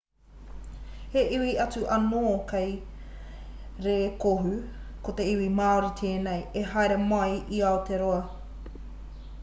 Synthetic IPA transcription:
heʔiwiɐt͡suʔɐnoːkej | ɾekoɦʉkot̪eiwimaːuɾit̪ʰeːnejeɦaeɾemɐjʔiaot̪eɾoɐ

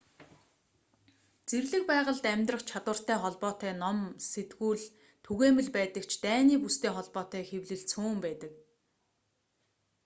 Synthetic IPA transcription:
t͡serɮɘ̆k̚pæːʁə̆ɮt̪æmʲt̪rə̆χt͡ɕʰat̪wə̆r̥t̪æːχɔɮpɔːt̪æːnɔmset̪ɡuːɮ | t̪ʰuɣeːmɘ̆ɮpæːt̪ə̆kt͡ɕʰt̪æːniːpust̪ʰeːχɔɮpɔːt̪æːxewɮɘ̆ɮt͡sʰuːmpæːt̪ə̆k

